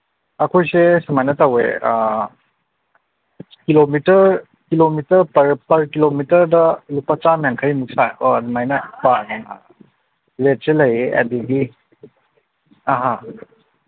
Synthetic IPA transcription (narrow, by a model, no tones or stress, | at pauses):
ɐkʰojsesumajnɐtawḛa | kilomitɐɾ | kilomitɐɾpɐɾpɐɾkilomitɐɾdɐlupat͡ʃamjaŋkʰəjmuk̚saodmajnɐpanaa̰ | let̚selɐjeʔɐ̰diɡi | aɦa